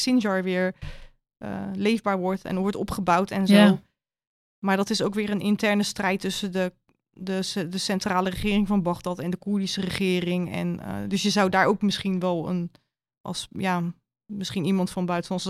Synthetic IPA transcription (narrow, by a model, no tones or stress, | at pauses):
sɪnʒɑɹʋɪːɹ | ə̰lejvbaːɹʋɔɹtʰɛ̰nʋɔɹtɔ̰pχəbawtʰɛnzoː | maːɹdɔtɪsowkʋɪːɹənɪntɛɹnəstrɛjtːʏsədə | dədəsɛntraːlərəχɪːrɪŋvɑnbɑχdɑtɛndəkuɹdisərəχɪːrɪŋɛ̰n̰dɵsjəzawdaːɹowkmɪsχinʋɛlˠə̰n | ʔɑ̰lˠsjaː | mɪsχinimɑntfɑnbœɥtəlɑns